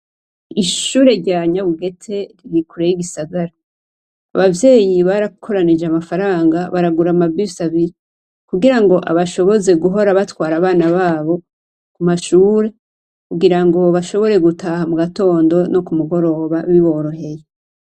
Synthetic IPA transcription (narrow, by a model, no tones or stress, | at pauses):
iʃuːɾe̞ɾɟaɲaβuɡe̞tʰe̞ɾiɡikʰuɾejiɡisaɡaɾa̰ː | βavje̞ːjiβaɾakʰo̞ɾanid͡ʒeamafaɾaːŋɡaβaɾaɡuɾamabisaβiɾi | kuɡiɾaŋɡo̞ʔa̰βaʃo̞βo̞ze̞ɡuɦo̞ɾaβatwaːɾaβaːnaβaːβo̞ | kumaʃuːɾe̞ | kuɡiɾaŋɡo̞βaʃo̞βo̞ɾe̞ɡutʰahamuɡato̞ːndo̞no̞kumuɡo̞ɾo̞βaβiβo̞ɾo̞ɦe̞je